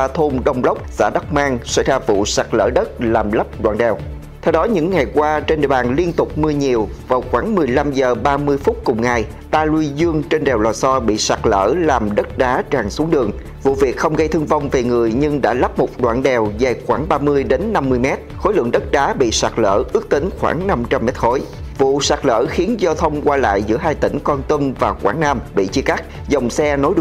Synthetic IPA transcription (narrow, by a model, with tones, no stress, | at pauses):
a˧t̪ʰo˧mɗə˧wŋ͡mlə˦˥wk͡p̚za̰ː˧˥ɗa˦˥k͡p̚maː˧ŋsa˧˥jzaː˧vṵ˧˨saː˨˩k̚lə̰ː˧˩ɗə˦˥t̚laː˨˩mlə˦˥p̚ɗwa̰ː˧˨nɗɛ˨˩w | t̪ʰɛ˧wɗɔ˨˦ɲɨ̰˧˥ŋːa˨˩jkwaː˧t͡ɕe˧nɗḭ˧˨ɓaː˨˩nli˧ənt̪ʊ˨˩k͡p̚mɨ˧əɲi˨˩əwvaː˨˩wxwaː˧˩ŋmɨ˨˩əjla˧mzəː˨˩ɓaː˧mɨ˧əjfʊ˦˥t̚kʊ˨˩ŋ͡mŋa˨˩j | t̪aː˧lu˧zɨ˧əŋt͡ɕe˧nɗɛ˨˩wlɔː˨˩jsɔ˧ɓḭ˧˨saː˨˩k̚lə̰ː˧˩laː˨˩mɗə˦˥t̚ɗaː˨˦t͡ɕaː˨˩ŋsu˨˦əŋɗɨ˨˩əŋ | vṵ˧˨vi˨˩ək̚xə˧wŋ͡mɣə˧jt̪ʰɨ˧əŋva˧˩wŋ͡mve˨˩ŋɨ˨˩əjɲɨ˧ŋɗa̰ː˧˥laː˦˥p̚mo˨˩t̚ɗwa̰ː˧˨nɗɛ˨˩wza˨˩jxwaː˧˩ŋɓaː˧mɨ˧əjɗe˨˦nːa˧mːɨ˧əjmɛ˦˥t̚xo˨˦jlɨ̰˧˨əŋɗə˦˥t̚ɗaː˨˦ɓḭ˧˨sa˨˩k̚lə̰ː˧˨ʔɨ˦˥ək̚t̪ï˨˦ŋ̟xwa̰ː˧˩ŋna˧mt͡ɕa˧mːɛ˦˥t̚xo˨˦jvṵ˧˨saː˨˩k̚lə̰ː˧˩xi˨˦ənzɔ˧t̪ʰə˧wŋ͡mkwaː˧la̰ː˧˨jzɨ̰˧˥əɦaː˧jt̪ï˧˩ŋ̟kɔ˧nt̪ə˧mvaː˨˩xwaː˧˩ŋnaː˧mɓḭ˧˨t͡ɕi˧ka˦˥k̚ | zə˨˩wŋ͡msɛ˧no˨˦jɗ